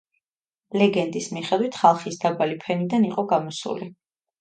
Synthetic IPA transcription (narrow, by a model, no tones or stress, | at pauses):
lɛɡɛnd̪ismiχɛd̪wit̪ʰχalˠχisd̪abalipʰɛnid̪aniqʼɔɡamɔsṵli